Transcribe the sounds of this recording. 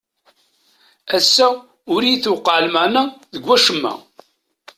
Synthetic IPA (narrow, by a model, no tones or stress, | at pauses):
æsːæ | ʊɾijiθuwqːəʕlmænæðəɡʷːæʃəmːæ̰